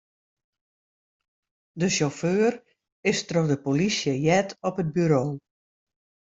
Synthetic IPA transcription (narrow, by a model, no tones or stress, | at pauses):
dəʃoføːr | ɪstroxdəpolisjəjɛtɔpət̚byɾoː